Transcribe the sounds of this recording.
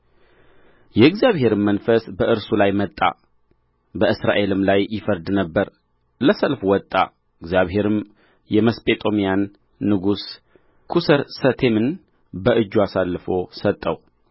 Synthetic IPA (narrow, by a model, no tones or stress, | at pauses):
jɛɡzijaβhe̞ɾɨmːənfəsbəʔɨɾsulajmət̪ʼːa̰ | bəʔɨsɾa̰ʔe̞lɨmlajːɪfəɾd̪nəbːəɾ | ləsəlfwɔt̪ʼːa̰ | ɨɡzijaβɦe̞ɾɨm | jɛməspʼe̞t̪ʼo̞mijanː | ɨɡus | kʰusəɾsət̪ʰemɨn | bəʔɨd͡ʒːuasalːɨfo̞sət̪ʼːəw